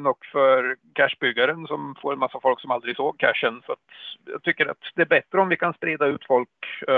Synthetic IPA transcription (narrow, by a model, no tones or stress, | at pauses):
nɔkːfœɾkʰæʂbʏɡːaɾənsɔmfoːɾɛnmasːafɔlksɔmald̪ɾɪɡsoːɡ̚kʰæ̰ʂːənsɔat̪jɑ̰ːɡ̚t̪ʰʏkːəɾa̰t̪d̪ɛæɾbɛt̪ːɾəɔmvɪkʰanspɾeːd̪aʉ̟ːt̪fɔlk